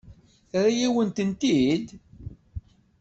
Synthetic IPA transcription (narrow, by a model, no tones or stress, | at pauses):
ɾijiwənt̪ənt̪id̪